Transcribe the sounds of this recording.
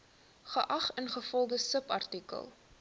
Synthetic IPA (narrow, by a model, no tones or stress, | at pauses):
χəʔɐχənχəfɔldəsəpɐ̰rtikə̰lˠ